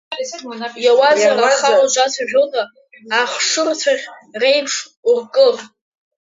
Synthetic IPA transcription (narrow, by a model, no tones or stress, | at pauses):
jawazaaχalad͡ʒʷʼat͡sʰaʒᶣodʼa | aχʂɨrt͡sʰaʁʲrejpʰʂurkʼɨr